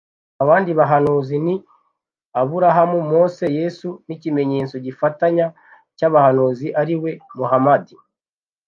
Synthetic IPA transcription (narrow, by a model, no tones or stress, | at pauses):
aβaːndiβaɦanuzini | aβuɾaɦamumo̞ːse̞je̞sunicime̞ɲe̞ːt͡so̞ɟifataɲa | caβahanuziʔaɾiwe̞muɦamadi